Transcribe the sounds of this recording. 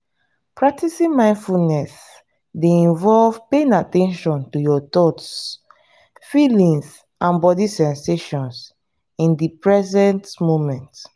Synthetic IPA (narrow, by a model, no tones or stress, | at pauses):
pʰɹak̚tisĩnmãɪ̃ndfulnɛs | deĩnvɔlv̥pẽnatɛ̃nʃɔ̃ntujɔtɔts | filĩŋs | ãnbɔdisɛ̃nseʃɔ̃ns | ĩndipɹɛzɛ̃ntmomɛ̃nt